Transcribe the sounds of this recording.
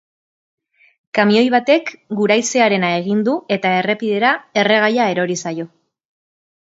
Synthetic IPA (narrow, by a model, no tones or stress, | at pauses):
kamio̞jβat̪e̞kɡuɾajse̞aɾe̞nae̞ɣ̞ind̪ue̞t̪ae̞re̞piðe̞ɾae̞re̞ɣ̞ajae̞ɾo̞ɾisajo̞